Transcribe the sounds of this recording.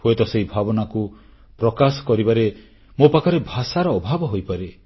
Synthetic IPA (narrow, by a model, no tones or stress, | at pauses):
hoet̪ɔsejbʱabɔnaku | pɾɔkasɔ̥kɔɾibaɾe | mopakʰɔɾebʱasaɾɔːbʱabɔɦojpaɾe